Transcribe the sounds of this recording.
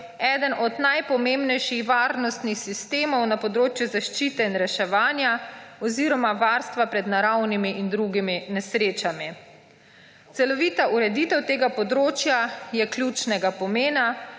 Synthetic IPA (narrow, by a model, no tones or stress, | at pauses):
ɛːd̪ənʔɔd̪najpɔmembnɛjʃixʋaːɾnɔst̪nixsist̪eːmɔwnapɔd̪ɾoːt͡ʃjuzaʃt͡ʃiːt̪ɛinɾɛʃɛʋaːnjaɔziɾɔmaʋaːɾst̪ʋapɾɛd̪naɾawnimiʔind̪ɾuɡiminɛsɾeːt͡ʃami | t̪sɛlɔʋiːt̪aʔuɾɛd̪iːt̪ɛwt̪eːɡapɔd̪ɾoːt͡ʃjajɛklʲjut͡ʃnɛɡapɔmeːna